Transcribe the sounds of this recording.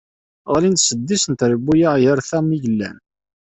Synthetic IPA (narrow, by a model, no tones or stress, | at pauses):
ʁlint̪səd̪ːisənt̪ɾəbːujajəɾθæmiʝəlːæ̰n